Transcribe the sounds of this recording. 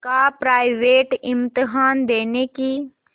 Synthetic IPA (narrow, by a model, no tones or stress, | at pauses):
kapɾaːɪʋeːʈɪ̃mt̪ɪɦaːnd̪eːneki